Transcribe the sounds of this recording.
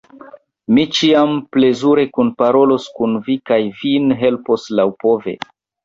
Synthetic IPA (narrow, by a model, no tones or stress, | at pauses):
mit͡ʃiample̞zuɾe̞kunpaɾo̞lo̞skunvikajvinɦe̞lpo̞slawpo̞ve̞̰